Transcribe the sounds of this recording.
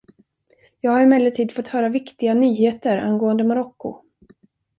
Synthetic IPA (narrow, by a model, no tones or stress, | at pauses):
jɑːɡhaɾɪmɛːlːəʈʰiːd̪fɔt̪ːhœːɾavɪkt̪ɪɡanyːheːt̪əɾa̰nɡoːənd̪əmaɾɔkːʊ̰